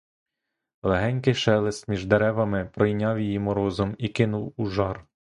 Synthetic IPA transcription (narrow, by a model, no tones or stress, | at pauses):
lˠeɦɛnʲkɪjʃɛlˠɪst̪mʲiʒd̪eɾɛʋɐmɪpɾɔjnʲɑwjijimɔɾɔzɔmikɪnʊwuʒɑr